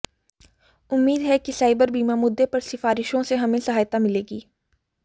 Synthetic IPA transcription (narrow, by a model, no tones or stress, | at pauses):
ʊmːiːd̪ɦɛkisaːɪbəɾbiːmamʊd̪ʱːepɐɾsɪfaːɾɪʃõseɦɐmẽsɐɦaːjt̪amɪleːɡiː